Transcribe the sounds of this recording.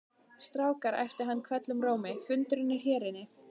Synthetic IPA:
st̪ɾawkaɾɛ̰jft̪ɪɾɦanːkʰvɛt̪lʏmroːwmɪfʏnt̪ʏɾɪnːɪɾ̥ɦɛːɾɪnɪ

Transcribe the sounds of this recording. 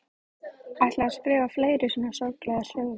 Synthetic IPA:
ajht̪laaspɾʏːvafleːjɾɪsɛːmnḁsɔɾklɛːɣar̥œːðʏ

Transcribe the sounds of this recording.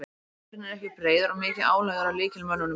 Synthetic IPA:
ɪnɛɾɛhkcɪpɾeːjðʏɾɔɣmɪːcɪðaːwlɛːɣðaɾawlɪːcɪlmanːʏnʏ

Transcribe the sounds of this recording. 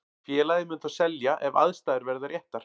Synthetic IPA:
fjɛːlajðɪmʏnt̪asɛljaʔɛva̰ðst̪aːðɪɾvɛɾðaɾjɛht̪ːaɾ̥

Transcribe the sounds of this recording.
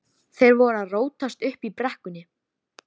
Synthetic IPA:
θejɾvɔɾaðroːwt̪ast̪ʏhpipɾɛhkʏnːɪ

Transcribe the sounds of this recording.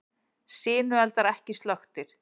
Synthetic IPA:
sɪːnʏɛlt̪aɾɛhcɪst̪lœxt̪ɪɾ̥

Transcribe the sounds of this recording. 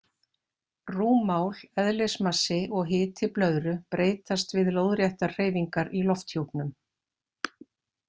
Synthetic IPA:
ruːmaːwl̥ɛðlesmasɪʔɔɣɦɪːt̪ʰɪplœðɾʏpɾeːjt̪ast̪vɪðlowðɾjɛht̪ḁr̥eːjviŋkaɾilɔft̪hjowpnʏm

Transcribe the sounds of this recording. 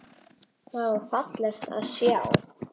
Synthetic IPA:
θaðvaɾ̥fat̪lɛɾ̥t̪a̰ðsjɛːa̰w

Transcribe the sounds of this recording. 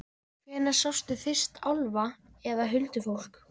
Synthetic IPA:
kʰvɛːnḁsawst̪ʏθɪr̥st̪ʰa̰wlvaɛðaɦʏlt̪ʏfowl̥k

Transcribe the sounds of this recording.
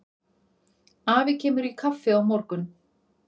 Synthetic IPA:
aːvɪcʰɛːmʏɾikʰafːɪawmɔwɾkʏn

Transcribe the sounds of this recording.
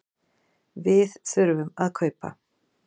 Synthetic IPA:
viːðsœɾvʏmaðkʰœɥpa̰

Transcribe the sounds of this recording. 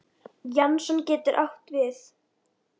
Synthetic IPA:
jansɔncɛːt̪ʏɾʔaht̪vɪθ

